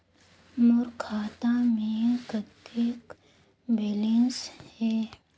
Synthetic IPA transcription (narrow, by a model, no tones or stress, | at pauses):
mʊɾkʰaːt̪amẽːkət̪eːk | belinsheː